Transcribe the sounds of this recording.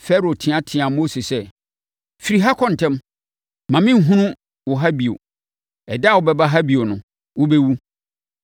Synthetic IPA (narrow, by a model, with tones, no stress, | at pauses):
fɛ˦ɾo˨tʰɪ̃˨ã˦tʰɪ̃˨ã˨mo˦se˨sɛ˦ | fi˨ɾi˨ɦa˦kʰɔ̃˦n̩˨tʰɛ̃˦m | mã˨mɪ̃˦m̩˨ɦũ˦nʊ̃˦ | wʊ˨ɦa˦bi˨o̰˨ | ɛ˨dɛ˦a˦˨wʊ˨bɛ˦ba˦ɦa˦bi˨o˨nʊ̃˨˦ | wʊ˦bɛ˦wu˦